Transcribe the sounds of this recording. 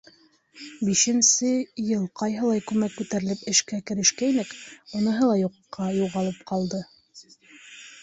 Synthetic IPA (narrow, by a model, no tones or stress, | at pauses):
biʃɘ̆nsɘjɤlˠqɑjɦɤ̆lˠɑjkʉmækːʉt̪æɾɘ̆lɘpɘ̆ʃkækɘ̆ɾɘ̆ʃkæinɘkŭnɤ̆ɦɤlˠɑjuqqːɑjuʁɑlˠɤpqɑlˠd̪ɤ